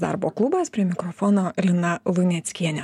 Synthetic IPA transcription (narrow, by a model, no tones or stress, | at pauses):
d̪ɑ̰ɾboːklˠʊbɐspʲɾʲiɛmʲɪkɾɔfɔnoːɾʲɪnɐlˠʊnʲɛt̪sʲkʲiɛnʲɛ